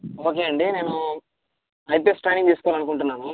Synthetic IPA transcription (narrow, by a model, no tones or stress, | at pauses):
o̞ːk̬e̞ːɐɳɖine̞ːnu | ɐjpesʈaːniŋt̪iːsu̥kɔʋaːlɐnukuɳʈunːaːnu